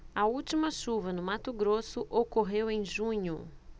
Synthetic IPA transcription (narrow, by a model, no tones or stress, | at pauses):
ɐuwt͡ʃimɐʃuvɐnʊmat̪ʊɡɾosʊʔokoɦewẽj̃ʒũɲʊ